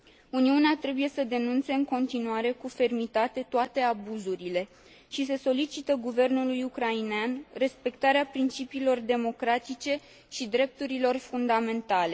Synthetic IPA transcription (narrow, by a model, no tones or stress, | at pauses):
uniuneat̪ɾe̞buje̞səd̪e̞nunt̪se̞ɨŋko̞nt̪inuaɾe̞kufe̞rmit̪at̪e̞t̪oat̪e̞abuzuɾile̞ | ʃis̬e̞so̞lit͡ʃit̪əɡuve̞rnulujukɾaineanre̞spe̞kt̪aɾeapɾint͡ʃipiːlo̞rd̪e̞mo̞kɾat̪it͡ʃe̞ | ʃid̪ɾe̞p̚t̪uɾilo̞rfund̪ame̞nt̪ale̞